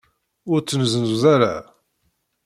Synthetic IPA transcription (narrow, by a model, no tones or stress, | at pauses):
ʊɾt͡sːənzənzuðaɾa̰